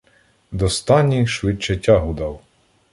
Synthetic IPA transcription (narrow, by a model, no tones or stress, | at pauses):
d̪ɔst̪ɑnʲiʃʋɪt͡ʃɛtʲɑɦʊd̪ɑw